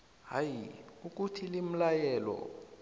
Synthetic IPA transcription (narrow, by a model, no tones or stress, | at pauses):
ɦajiuk̬ʼutʰilim̩lajɛːlɔ̰